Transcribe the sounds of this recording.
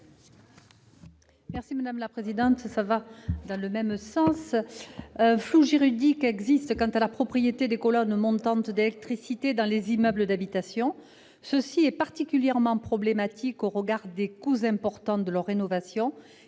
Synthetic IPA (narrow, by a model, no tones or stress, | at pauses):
mɛʁsimad̪amlapχezid̪ɑ̃t̪savad̪ɑ̃ləmɛmsɑ̃s | ɛ̃fluʒiʁyʁd̪ikɛɡzist̪kɑ̃t̪alapχɔpχijet̪ed̪ekɔlɔnmɔ̃t̪ɑ̃t̪d̪elɛk̚t̪χisit̪ed̪ɑ̃lezimœbləd̪abit̪asjɔ̃ | səsiɛpaʁt̪ikʲyljɛʁmɑ̃pχɔblemat̪ʰikoʁəɡaʁd̪ekuzɛ̃pɔʁt̪ɑ̃d̪əlœʁːenɔvasjɔ̃